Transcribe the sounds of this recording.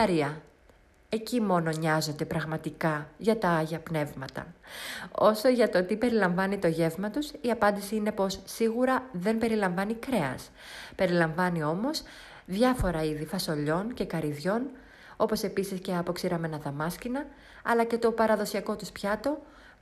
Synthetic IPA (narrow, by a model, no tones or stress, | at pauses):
ɐɾiɐ | e̞cimo̞no̞ɲɐzo̞nd̪e̞pɾɐɣmɐt̪ikɐʝɐt̪ɐɐʝɐpne̞vmɐt̪ɐ̰ | o̞so̞ʝɐt̪o̞t̪ipe̞ɾilɐɱvɐnit̪o̞ʝe̞vmɐt̪usiɐpɐnd̪isiine̞po̞sːiɣuɾɐðembe̞ɾilɐɱvɐnikɾe̞ɐ̰s | pe̞ɾilɐɱvɐnio̞mo̞s | ðʝɐfo̞ɾɐiðifɐso̞ʎo̞nce̞kɐɾiðʝo̞n | o̞po̞se̞pisisce̞ɐpo̞ksiɾɐme̞nɐðɐmɐscinɐ | ɐ̰lɐce̞t̪o̞pɐɾɐðo̞siɐko̞t̪uspçɐt̪o̞